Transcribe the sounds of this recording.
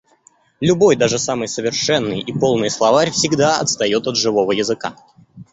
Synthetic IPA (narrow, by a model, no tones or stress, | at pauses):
lʲʊbo̞jd̪aʐɨsamɨjsəvʲɪrʂɛnːɨjipo̞lˠnɨjəslˠɐvarʲfsʲɪɡd̪aɐt̪st̪ɐjo̞t̪ɐd̪ʐɨvo̞vəjɪzɨka̰